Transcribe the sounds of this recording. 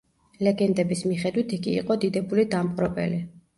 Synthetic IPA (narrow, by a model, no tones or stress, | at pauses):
lɛɡɛnd̪ɛbismiχɛd̪wit̪ʰiɡḭːqʼɔd̪id̪ɛbulid̪amqʼɾɔbɛ̰li